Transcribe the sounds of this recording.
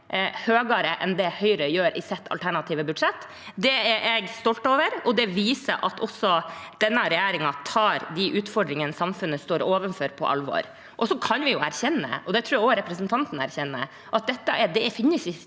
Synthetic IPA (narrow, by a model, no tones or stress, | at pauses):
høːɡɑɾəʔɛnd̪ɛhœʏɾəjøːɾʔɪsɛt̪ʰːɑ̰lt̪ʰæɳɑt̪ʰiːʋəbʉd̪ʂɛt̪ː | d̪ɛɛɾʔɛɡst̪ɔlt̪oːʋəɾɔd̪ɛʋiːsə̰ʔɑt̪ʰɔsɔd̪̥ɛnːəɾɛjæːɾɪŋɑt̪ʰɑːɾd̪iʔʉːt̪fɔɖɾɪŋənsɑmfʉnːəst̪oːɾoːʋənfɔɾpʰɔ̰ʔɑ̰lʋɔ̰ɾ | ʔɔsɔkʰɑnʋɪjʊæɾçɛnːə̰ɔd̪ɛt̪ʰɾuːjæoɾɛpɾəsnt̪ʰɑnt̪n̩æɾçɛnːə̰ | ʔɑt̪̚d̪ɛt̪ːəʔɛd̪ɛɛfɪnːəsɪ